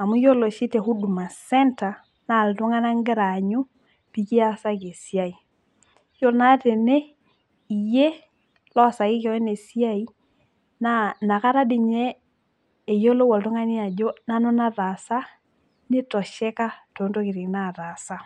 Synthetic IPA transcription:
a˨mu˦jo˦lo˨ʃi˦tɛ˨hu˦du˨ma˨sɛ˦nta˨ | na˨ltɔ˦ŋa˦na˦ŋɡɛ˦ɾa˨ɲo˦ | pi˨ki˦a˦sa˦ke˨si˦a˦˨i˨ | jɔ˦na˦tɛ˨nɛ˦ | i˨jɛ˦ | lɔ˦sa˨ɣɪ˦kɔ˨wɛ˦ne˨si˦a˦i˦ | nana˨ka˦ɾa˦di˨ɲɛː˦˨ | jo˦lo˦wɔ˨ltɔ˦ŋa˦ni˦a˨d͡ʒo˦na˦nɔ˦na˦ða˨sa˦ | ne˦tɔ˨ʃɛ˦ka˦to˨˦nto˦ke˨ɾi˨na˦ða˨sa˦

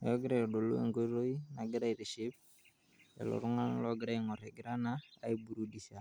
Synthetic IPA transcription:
jɔ˦ɡɪ˦ɾɛ˦ɔ˨do˨lo̰˦ḛ˨ŋɡo˦ɾo˦i˦na˨ɡɪ˦ɾa˦i˨ɾi˨ʃɪ˦p̚ | ɛ̰˨lɔ̰˨ɾʊ˦ŋa˦n˦lɔ˦ɡɪ˦ɾa˦i˨ŋɔ˨ɾɛ˨ɡɪ˦ɾa˦na̰ː˦i˦bu˨ɾu˦di˨sa˨

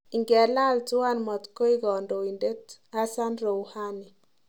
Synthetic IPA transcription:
i˨ŋɡɛ˨la˦ltʊ˦a˦nmɔ˨tko˦i˦ɡɔ˨ndo˨i˨nde˦ta˦sa˦nɾo˨wha˦ni˨

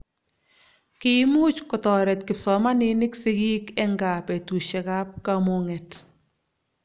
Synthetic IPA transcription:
ki˦mu˦t͡ʃkɔ˨tɔ˨ɾɛ˨tkɪ˨psɔ˨ma˦nɪ˦nɪ˦ksi˦ki˦kɛ˦ŋɡa˨pɛ˨tu˨ʃɛ˨ka˦p̚ka˦mo˨ŋɛ˨t

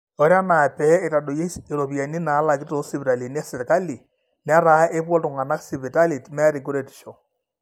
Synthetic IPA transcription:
o˨˦ɾa˦na˨pɛ˨˦e˨ta˨do˨je˦se˨ɾo˨βja˨ni˦na˨˦la˨ki˦to˨˦si˦βi˨ɾa˨li˨ni˦a˦se˨ɾka˦li˨ | n˦a˦ɾa˨˦e˦pwɔ˦ltu˨ŋa˨na˦ksi˨βi˨ta˦li˨tmɛ˦ɾi˨ku˦ɾe˨ti̥˨ʃo˨

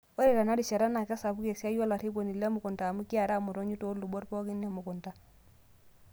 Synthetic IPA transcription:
wɔ˦ɾɛ˨ta˨na˦di˨t͡ʃa˨ɾa˦na˨ka˦sa˨bu˦ke˨sa˦ja˦la˨ɾi˦bo˨ni˨lːa˦mu˨ku˨ntaː˨mu˦ki˦a˨ɾa˦˨mu˨ɾo˦ɲu˦to˦ɾlu˨bo˦ɾpo˦ki˦nːa˨mu˨ku˨nta˨

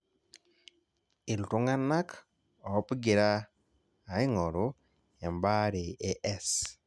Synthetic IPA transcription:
ɪ˨ltʊ˦ŋa˦na˦k | ɔ˨ɔ˦pɡɪ˨ɾaː˦˨ | ɪ˦ŋɔ˨ɾʊ˦ | ja˨mba˦ɾe˨ʔe˦ʔɛ˦s

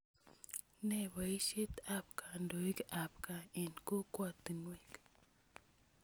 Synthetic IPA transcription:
ne˦˨βa˨i˦ʃe˦t̪a˨p̚kʰa˨ndo˨i˦ka˨pka˨e˨nko˦kwa˦˨t̪ɨ˨nwe˦k

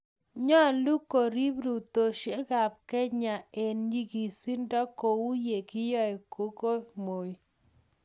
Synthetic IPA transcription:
ɲɔ˦˨lu˦ko˨ɾi˦bɾu˨t̪o˨ʃe˦ɡa˨pkɛ˦ɲa˨e˨nɲi˦ɡi˨si˦ndɔ˦ko˨u˦je˨kɪ˦jɔ˦ɛ˨kʰo˦ko˦mo˨˦

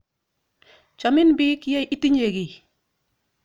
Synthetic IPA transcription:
t͡ʃa˨mɪ˦nbɪ˦kja˦jʔi˦ti˦ɲe˨ɡi˨

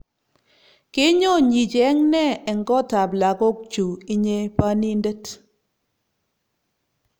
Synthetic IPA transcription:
ke˦ɲɔ˦˨ɲi˨t͡ʃɛ˨˦ŋnɛ˦˨ɛ˨ŋɡɔ˦ta˨pla˨ko˦k̚t͡ʃu˨i˦ɲe˦pa˦ni˦nde˦t

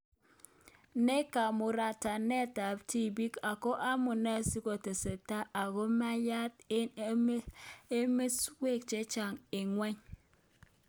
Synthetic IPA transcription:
ne˦ka˨mu˨ɾa˨ta˨ne˦˨ta˨p̚tʰi˦˨bi˦ka˨ko˦ʔa˦mu˨na˦˨si˦ko˨te˨se˨ta˦ʔa˨ɣo˦ma˦ja˦te˦me˦swe˦˨k̚t͡ʃe˦t͡ʃa˨ŋe˨ŋʷe˦ɲ

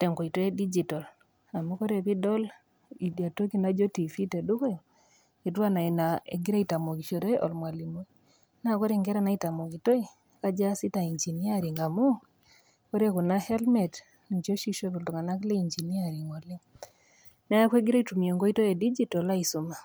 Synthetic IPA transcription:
tɛ˨ŋɡo˨i˨to˦e˦di˦d͡ʒitɔ˨l | a˨mu˦ko˦ɾe˦pi˦dɔ˦l | i˨dja˨to˦ki˦na˦d͡ʒo˦ti˨fi˦te˨du˦ko˦j | i˨twa˦na˨i˨naḛ˨ɡi˦ɾa˦ita˨mo˨ki˨ʃo˨ɾe˦ɔ̰˨lmwa˨li˨mo˦i | na˦kɔ˦ɾe˦ŋɡɛ˦ɾa˦na˦i˦ta˨mo˨ki˨to˦i | ka˦d͡ʒa˦si˦ta˨i˨ɲd͡ʒi˨ni˦a˦ɾi˨ŋa˨mu˦ | kɔ˦ɾe˦kɔ˨na˦hɛ˦lmɛ˨t | nd͡ʒo˦ʃi˦ʃo˦βɔ˨ldɔ˨ŋa˨na˦kle˦i˨ɲd͡ʒi˨ni˦a˦ɾi˨ŋɔ˨li˦ŋ | na˦a˦kwe˦ɡi˦ɾa˦itu˨mi˨e˨ŋɡo˦i˦to˦e˨di˦d͡ʒi˦tɔ˨la˦i˨su˨ma˨

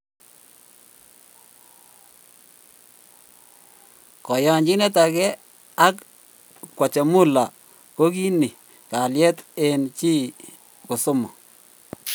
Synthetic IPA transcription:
kɔ˨ja˨˦ɲd͡ʒi˦ne˦t̬a˨kɛ˦ | a˦k | kːwa˨t͡ʃɛ˨mʊ˦la˨ | ko˦ki˦ni˨ | ka˨ljɛ˦te˨nt͡ʃi˦ | kʊ˨sʊ˦mɔ˨

